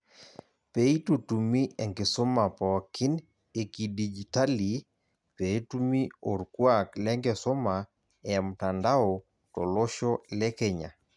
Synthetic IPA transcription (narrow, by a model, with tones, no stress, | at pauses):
pe˨i˦tu˨tu˨mi˦ɛ˨ŋɡe˨so˦ma˨pa˨wa˨kʰi˦n | e˨ki˨di˨d͡ʒi˨ta˦li˨ | pe˨˦tu˦mi˦o˨ɾkwa˦klɛ˦ŋɡe˨so˦ma˨ | ɛ˨m̩ta˨nda˦o˨ | to̰˨lo˦ʃɔ˦lɛ˦kɛ˦ɲa̰˨